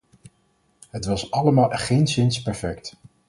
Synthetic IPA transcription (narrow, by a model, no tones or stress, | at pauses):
ɦətʋɑsɑləmaːlˠχejnsɪnspɛɹfɛkt